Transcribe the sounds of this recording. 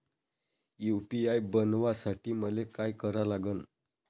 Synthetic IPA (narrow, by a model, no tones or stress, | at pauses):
jupiajbənʋasaʈiːməlekajkəɾalaɡən